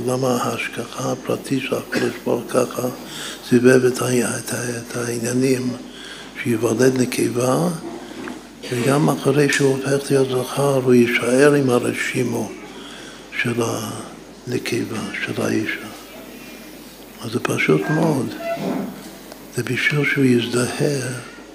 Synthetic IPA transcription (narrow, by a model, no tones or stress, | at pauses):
lamaaːʃkaxaːpɾa̰tʰitʃelakodɪʃbo̰ɾkʰaχa | sivɛvɛtʰaɛtʰatʰainjanim | ʃujivadɛd̪nəkʰejva | veɡamaχaɾejʃofɛχlijot̪zaχaɾujɪʃaɛɾɪmhaɾɛʃimo | ʃɛla | nekʰevaʃɛla̰ʔiʃa | azɛpʰaʃutmod̪ | z̥ɛbiʃuʃujɪzdahɛɾ